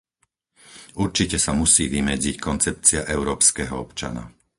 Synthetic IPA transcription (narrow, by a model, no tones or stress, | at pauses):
uɾt͡ʃicɛsamusiːʋimɛd͡zickɔnt͡sɛpt͡siɪaʔɛʊɾɔːpskɛːɦɔɔpt͡ʃa̰na̰